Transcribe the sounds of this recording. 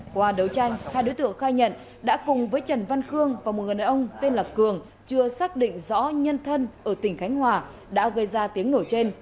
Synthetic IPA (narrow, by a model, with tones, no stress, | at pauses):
kwaː˧ɗə˨˩wt͡ɕa˧jŋ̟haː˧jɗo̰˧˦jt̪ɨ̰˧˨əŋxaː˧jɲə̰˧˨n | ɗa̰ː˧˥kʊ˨˩ŋ͡mvəː˨˦jt͡ɕə˨˩nva˧nxɨ˧əŋvaː˨˩mo˨˩t̚ŋ˨˩ɗaː˨˩ʔə˧wŋ͡mt̪e˧nlaː˨˩kɨ˨˩əŋ | t͡ɕɨ˧əsaː˦˥k̚ɗḭ̈˧˨ŋ̟zɔ̰˧˥ɲə˧nt̪ʰə˧nʔəː˧˩t̪ï˧˩ŋ̟xa˨˦jŋ̟hwaː˨˩ | ɗa̰ː˧˥ɣə˧jzaː˧t̪i˨˦əŋno˧˩t͡ɕe˧n